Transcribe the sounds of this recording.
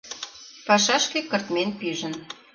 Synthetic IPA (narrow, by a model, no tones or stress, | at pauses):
pɑʃɑʃkekɤ̆rt̪menpyʒə̆n